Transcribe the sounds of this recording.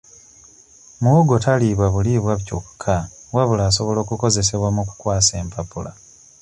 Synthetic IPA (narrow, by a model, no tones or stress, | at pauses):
muuɡo̞tʰaliβwaβuliβwaβcokkʰːawaβulaːso̞βo̞lo̞ːkuko̞ze̞se̞βwamuku̥kwaːse̞ːmpapula